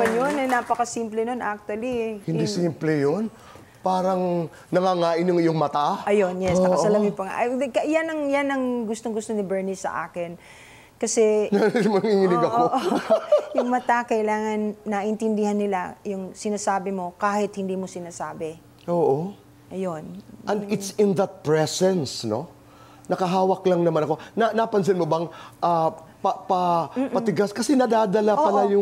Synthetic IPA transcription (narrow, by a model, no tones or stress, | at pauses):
manjonɐjnaːpɐkɐsiːmplɛnonʔak̚t̪wɐlihɪnd̪isimplɛjon | paːɾɐŋ | nɐŋaŋaːʔɪnʊŋjoŋmɐt̪aʔɐjo̞njɛssnɐɐsɐlamɪpɐŋa̰ʔɐkɐjanɐŋjanɐŋɡʊst̪oŋɡʊst̪onɪbɛɹnɪsɐ̰ʔa̰ːkɪn | kɐsɛnɐmɐŋiŋɪnɪɡɐkoʔjʊŋmɐt̪akɐʔɪlaːŋɐnːɐʔɪnt̪ɪnd̪ɪhanːɪla̰jʊŋsɪnaːsaːbɪmo̞kaːhɪt̪̚hɪnd̪iːmo̞sɪnaːsaːbɛ | ʔoːʔo | ʔɐjonɐnd̪ɪt̪sɪnðɐt̪̚pɹɛsɛnsno̞ | nɐkɐɦaːwɐklɐŋnɐmanɐko̞nɐnapɐns̬ɪnmobɐŋʔɐ | pɐpɐmːpɐt̪ɪɡaskɐsɛnɐd̪aːd̪ɐlapɐlajʊ